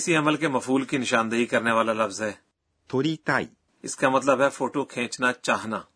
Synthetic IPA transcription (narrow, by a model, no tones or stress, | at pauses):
ɪsiəməlkeməfʰuːlkinɪʃaːnd̪əɦiːkəɾneːʋaːlaːləfzɦɛː | t̪ʰoːɾiːt̪aːḭː | ɪ̰skamət̪ləbɦɛːfʰoːʈoːkʰẽːt͡ʃnaːt͡ʃaːɦnaː